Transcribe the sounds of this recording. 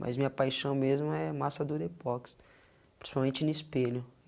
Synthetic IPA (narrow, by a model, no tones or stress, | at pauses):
mʔa̰jzmĩɲɐpajʃɐ̃w̃mezmʊɛmasɐd̪uɾɪpɔks | pɾĩsi̥pawmẽnt͡ʃɪnʊispeʎʊ